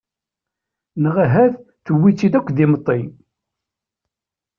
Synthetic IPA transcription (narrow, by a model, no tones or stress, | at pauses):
nəʁaɦæð | θəwːit͡sːiðækʷːðimət̪ˤːi